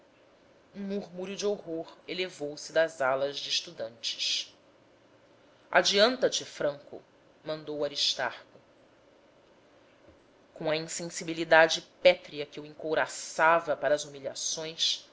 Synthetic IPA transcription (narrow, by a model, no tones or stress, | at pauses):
ũmuɾmuɾʊd͡ʒɪoɦoɾelevowsɪd̪ɐzalɐʒd͡ʒɪːʃt̪ud̪ɐ̃nt͡ʃɪ̥ʃ | ʔa̰d͡ʒiɐ̃nt̪ɐt͡ʃɪfɾɐ̃ŋkʊ̰ | mɐ̃nd̪owaɾiʃt̪a̰ɾkʊ | kõɐĩsẽsibilid̪ad͡ʒɪpɛt̪ɾiɐkɪuẽŋkowɾasavɐpaɾɐːzumiʎasõj̃s